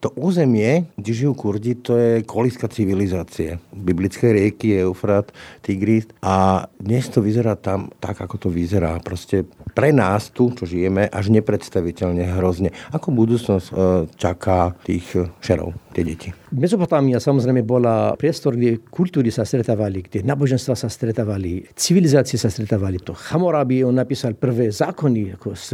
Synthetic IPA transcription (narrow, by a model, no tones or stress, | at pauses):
t̪ɔʔuːzɛmɪɛɡɟɛʒijuːkuɾd͡ʑit̪ɔjɛkɔliskat͡siʋilizaːt͡siɛbiblit͡skɛjɾɪɛkiɛʊfɾat̪ːiɡɾist̪ʔad̪ɲɛst̪ɔʋizɛɾaːt̪amt̪a̰ɡakɔt̪ɔʋizɛɾa̰ːpɾɔscɛpɾɛnaːst̪ut͡ʃɔʒijɛmɛʔaʒɲɛpɾɛt̪st̪aʋicɛʎɲɛɦɾɔzɲɛakɔbud̪uːt͡snɔst͡ʃakʰaːt̪iːxʃɛɾɔ̰ʊt̪ɪɛɟɛcʰimɛzɔpɔt̪amiasamɔzɾɛjmɛbɔlapɾɪɛst̪ɔɾɡɟɛkulʲt̪uːɾisast̪ɾɛt̪aːʋaliɡdɛnaːbɔʒɛnst̪ʋaːsast̪ɾɛt̪aːʋalit͡siʋilizaːt͡siɛsast̪ɾɛt̪aːʋalit̪ɔxamɔɾabiɛɔnːapiːsalpr̩ʋɛːzaːkɔniakɔs